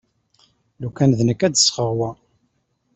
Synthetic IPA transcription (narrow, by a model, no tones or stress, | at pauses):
lukænðnəkːæd̪əsχəʁwæ